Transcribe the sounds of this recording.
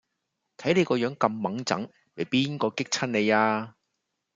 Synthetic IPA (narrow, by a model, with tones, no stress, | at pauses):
t̪ʰɐ˨˥jne˨˧jkɔː˧jœː˨˧˥ŋkɐ˧mːɐ˨˥ŋt͡sɐ̰˨˥ŋ | me˨˩jpiː˥nkɔː˧kɪ˥k̚t͡sʰɐ˥nne˨˧jaː˧